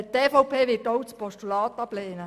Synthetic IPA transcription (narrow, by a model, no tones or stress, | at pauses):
t̪eːfɔwpʰeːʋɪtɔwt͡spʰɔstulɑːt̪ːɑblɛːnə